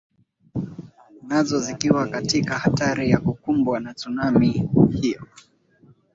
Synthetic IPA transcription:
nazɔzikiwakatikahataɾijakukumbwanat͡sunamihijɔ

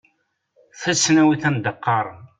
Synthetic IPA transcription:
θæsːnæwiθænd̪əqːɑɾˤ

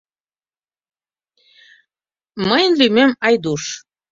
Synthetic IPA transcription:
məjənlymemɑjd̪uʃ

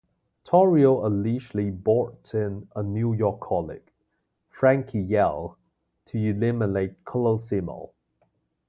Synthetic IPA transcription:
tʰɔɹioəliʃlibɔtʰɪ̃nənjujɔkʰːɔlɪ̰ɡ̥ | fɹæ̃ŋkʰijɛlˠ | tʰəulɪməneɪtkʰələlsɪmə̰lˠ

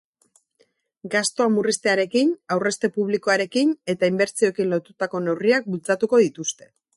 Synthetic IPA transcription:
ɡast̪o̞amurist̪e̞aɾe̞kinawre̞st̪e̞puβ̞liko̞aɾe̞kine̞t̪aimbe̞ɾt͡sio̞ekinlo̞t̪ut̪ako̞ne̞wriak̚bult͡sat̪uko̞ðit̪ust̪e̞

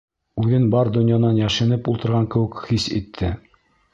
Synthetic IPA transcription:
ʉðɘnbɑɾd̪ɵ̆njɑnɑnjæʃɘ̆nɘpulˠt̪ɤ̆ɾʁɑŋkɘ̆wɘ̆kχisḭt̪ʰːɘ

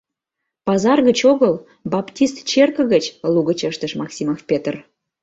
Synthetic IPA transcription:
pɑzɑrɣət͡ɕoɣəl | bɑptʲist̪t͡ɕerkə̆ɣət͡ɕluɣət͡ɕəʃt̪əʃmɑksʲimofpʲet̪ər

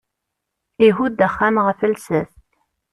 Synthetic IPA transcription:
iɦud̪æχːæmʁəfəlsæθt̪

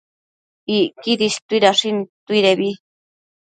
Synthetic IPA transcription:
ikiɾiʃt̪uiɾaʂint̪uiɾeβi

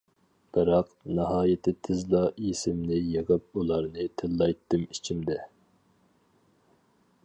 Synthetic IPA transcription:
b̥ɨɾɑq | nɨɦɑːjɪt̪ʰɪt̪ʰɪzlˠɑisɪmnɪjeʁəp̚ulˠɑɾnɨt̪ʰɪlːɑjt̪ʰːɨmit͡ʃʰimd̪ɛ

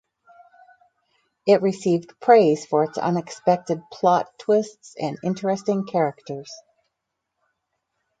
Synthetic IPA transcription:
ɪt̚ɹɨsivdpʰɹ̥eɪz̥fə˞ɨtsʌ̰̃nɨkspɛk̚tɨd̚pʰl̥ɑtʰw̥ɪstsɨ̰̃nɪ̃nt͡ʃɹɨstɪ̃ŋkʰɛɹɨk̚tə˞z̥

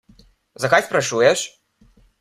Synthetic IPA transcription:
zɐkajspɾaʂujɛʂ

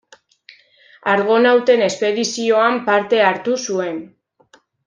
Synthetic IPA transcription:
aɾɣo̞nawt̪e̞ne̞spe̞ðisio̞ampaɾt̪e̞aɾt̪usue̞n

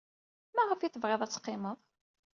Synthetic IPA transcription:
mæʁəfjɪt̪ːvʁeðˤæt͡sːqːɪməðˤ

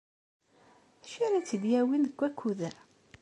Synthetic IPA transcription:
ʃiɾæt͡sːəd̪jæwinəkʷːækʰʷːuðəɾ

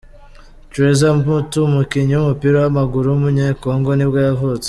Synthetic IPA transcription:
t͡ʃuɾezambutumukiɲiumupiɾawamaɡuɾuumuɲeko̞ːŋɡo̞nibɡajavot͡se̥

